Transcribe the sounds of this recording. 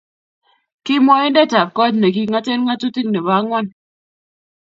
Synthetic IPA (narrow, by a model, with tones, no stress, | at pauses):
ki˦mɔ˦i˦n˦de˦ta˨p̚kɔ˦t̚ne˨ki˦ŋa˦te˦nŋa˦tu˦ti˦k̚ne˨βa˦ŋʷa˦˨n